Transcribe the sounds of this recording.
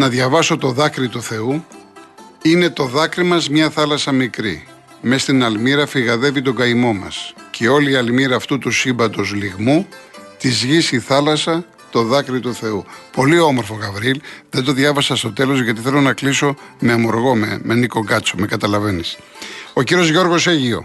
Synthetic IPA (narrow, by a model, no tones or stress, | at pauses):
nɐðʝɐvɐso̞t̪o̞ðɐkɾit̪uθe̞u | ine̞t̪o̞ðɐkɾimɐzmɲɐθɐlɐsɐmikɾi | me̞st̪inɐlmiɾɐfiɣɐðe̞vit̪o̞ɡɐimo̞mɐ̰scʰe̞o̞liːɐlmiɾɐːft̪ut̪usibɐt̪o̞zliɣmut̪izʝisiθɐlɐsɐ | t̪o̞ðɐkɾit̪uθe̞upo̞lio̞mo̞ɾfoɣɐvɾiilðend̪o̞ðjʝɐvɐsɐst̪o̞t̪e̞lo̞zʝɐt̪iθe̞lo̞nɐkliso̞meɐmo̞ɾɣo̞memeniko̞ɡɐt͡so̞me̞kɐt̪ɐlɐve̞nis | o̞ciɾio̞zʝo̞ɾɣo̞seʝio̞̰